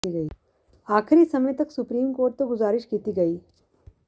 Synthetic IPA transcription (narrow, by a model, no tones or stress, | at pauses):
iɡəiː | aːkʰɪɾiːsɐməjt̪ɐksʊpɾiːmkoːɾʈ̚t̪oɡʊzaːɾɪʃkiːt̪iɡɐiː